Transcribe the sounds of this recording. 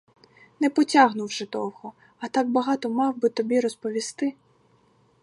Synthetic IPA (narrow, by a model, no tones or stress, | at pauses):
nɛpɔtʲaɦnʊwʒɪd̪ɔwhɔ | ɐt̪ɑɡ̚bɐɦɑt̪ɔmɑwbɪt̪ɔbʲiɾɔspɔʋʲist̪ɪ